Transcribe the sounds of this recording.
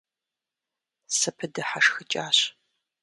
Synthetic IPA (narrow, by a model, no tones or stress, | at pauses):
sɐpʰɨdɐħaʂxɨt͡ʃʼaːɕ